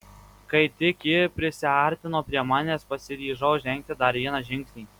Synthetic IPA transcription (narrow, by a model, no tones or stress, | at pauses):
kɐɪt̪ʲɪkʲɪpʲɾʲɪsʲɪɑˑɾʲt̪ʲɪnoːpʲɾʲiɛmɑːnʲeːspɐsʲɪɾʲiːʒɐʊʒʲɛŋʲk̚t̪ʲɪd̪ɐɾʋʲiɛnɑʒʲɪŋʲksʲnʲiː